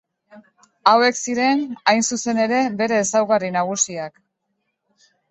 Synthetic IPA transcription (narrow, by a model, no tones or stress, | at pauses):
awe̞ksiɾe̞najnsuse̞ne̞ɾe̞be̞ɾe̞ːsawɣarinaɣ̞usiak